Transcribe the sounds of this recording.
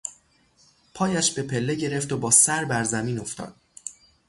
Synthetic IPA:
pʰɒːjæʃb̥e̞pʰe̞lːe̞ɟe̞ɾe̞ft̪obɒːsæɾbæɾzæmiːno̞ft̪ʰɒ̰ːd̪̥̚

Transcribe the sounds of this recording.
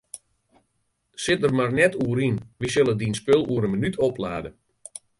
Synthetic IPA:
sɪt̚dərmarnɛtʰuəɾinʋisølˠədinspølˠuəɾənmənytʰopla̰ːdə

